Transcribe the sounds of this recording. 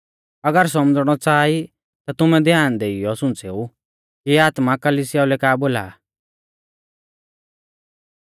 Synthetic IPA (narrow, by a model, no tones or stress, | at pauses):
ɐɡəɾs̬ɔmd͡zɽ̃ɔt͡saːi | t̪at̪ʊmɛ̃d̪ʱjaːnd̪eːijɔsʊ̃nt͡seːu | kiaːt̪makɐlisɪjaulɛkaːboːla̰ː